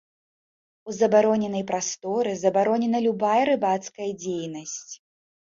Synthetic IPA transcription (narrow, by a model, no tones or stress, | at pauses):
uzɐbaɾɔnʲɛnɐjpɾast̪ɔɾɨzɐbaɾɔnʲɛnɐlʲubajɐɾɨbat̪skɐjɐd͡zʲejnɐsʲt͡sʲ